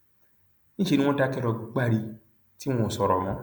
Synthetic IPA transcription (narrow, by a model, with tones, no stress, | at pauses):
nĩ˦ʃe˧nĩ˦ɔ̃˦da˦kɛ˦˧ɾɔ˧ɡ͡ba˦˨ɾi˧ | tĩ˦ɔ̃˧o˨sɔ˨ɾɔ˨mɔ̃˨˦